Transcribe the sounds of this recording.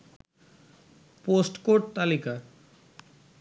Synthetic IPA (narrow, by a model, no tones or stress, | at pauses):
posʈkoʈ̚t̪alika